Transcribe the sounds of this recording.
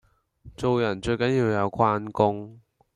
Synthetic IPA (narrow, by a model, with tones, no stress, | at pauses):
t͡so˨wjɐ˨˩nt͡ʃɵ˧ɥkɐ˨˥njiː˧wjɐ˨˧wkʰwaː˥nkʊ˥ŋ